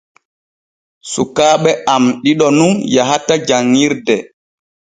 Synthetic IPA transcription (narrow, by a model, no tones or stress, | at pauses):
sukaːɓɛʔamɗiɗɔnunjaɦatad͡ʒaŋːiɾdɛ